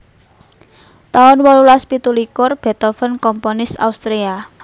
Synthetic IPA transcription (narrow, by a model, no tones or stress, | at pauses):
t̪aʊnwɔlulaspit̪ulikʊrb̥e̤t̪ɔfənkɔmponɪsa̰ust̪ɾea